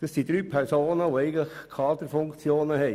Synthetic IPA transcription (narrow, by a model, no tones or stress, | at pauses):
d̥ɑsd̥id̪ɾyːpʰɛɾsoːnəʋoɛɪɡləχkʰɑːd̪əɾfʊŋkt͡sjoːnəhɛɪ